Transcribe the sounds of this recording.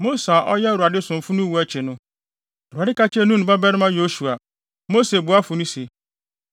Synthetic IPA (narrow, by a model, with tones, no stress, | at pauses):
mo˦sa˨ʔɔ˦jɛ˦˨a˨dɪ˦sʊ̃˨m˨fʊ˦nʊ̃˦wu˦æ˦t͡ɕʰɪ˨nʊ̃˦˨ | ɾu˨a˨dɪ˦kʰa˦t͡ɕʰɛ˦nũ˦ñ˨ba˦bɛ˦ɾɪ˦mã˦jo˦su˨a˨ | mo˦se˨bʊ˨˦a˦fʊ˨nũ˦se˨